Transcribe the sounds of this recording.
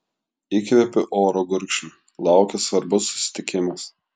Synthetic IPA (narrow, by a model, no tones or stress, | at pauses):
ikɾʲɛpʲɪʔoːɾoɡʊɾʲkʃʲ | lˠɑˑʊkʲɛsʋɐɾbʊsːʊ̥sʲɪ̥t̪ʲɪkʲɪmɐs